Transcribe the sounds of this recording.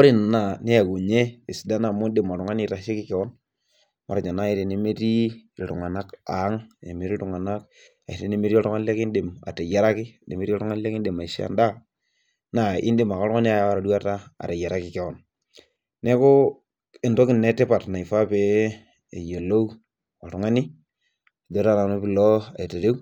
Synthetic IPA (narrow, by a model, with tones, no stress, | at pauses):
o˦ɾi˦˨n˨na˨ne˦ja˨ɡo˨ɲe˦e˨sda˦na˨mʊ˦ndɪ˨mɔ˨ɾʊ˨ŋa˦ni˨ta˨ʃi˦kɪ˦kɛ˨wɔ˦n | ma̰˨ɾa˨t͡ʃa˨na˦e˦ɾe˨ne˦me˦ti˦˨tʊ˨ŋa˨na˦ka˨˦ŋ˨ne˨me˨ɾi˦ltʊ˨ŋa˨na˦k | a̰˨i˨ɾe˦˨ne˦me˦ɾi˦ɔ˦tʊ˦ŋa˦le˦kɪ˦ndɪ˨ma̰˨te˨ja˦ɾa˦kɪ˦ne˨me˦ɾi˦tʊ˦ŋa˦lɛ˦kɪ˦nde˨ma˨i˨ʃa̰˨nda˦ | na˨ɪ̰˦ndɪ˦˨ma˨kɔ˦ɾŋa˦ni˦a˦ja˨wa˦ɾa˨du˦a˦ta˦a̰˨te˨ja˨ɾa˦kɪ˨kɛ˦wɔ˨n | nɛ˦kʊ˦ | e˨nto˦kɪ˨nɛ˦te˦pa˨tna˨i˨fa˦peː˦˨ | jo˨lo˦ | ɔ˨tʊ˨ŋa˦ni˦˨ | dɔ˦ta˦na˨no˦pɪ˦˨lɔ˦a̰˨i˨te˨ɾe˦w